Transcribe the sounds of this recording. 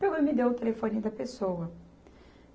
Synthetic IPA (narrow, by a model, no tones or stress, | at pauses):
pewẽmɪd̪ewʊt̪elefonid̪ɐpesowɐ